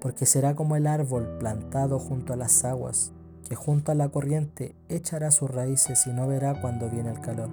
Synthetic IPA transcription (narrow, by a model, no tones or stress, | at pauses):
po̞ɾke̞se̞ɾako̞moelaɾβo̞lplant̪aðo̞xunt̪oalasaɣwa̰s | kexunt̪oalako̞rje̞nt̪e | et͡ʃaɾasusraise̞sino̞βe̞ɾakwand̪o̞βje̞nelkalo̞ɾ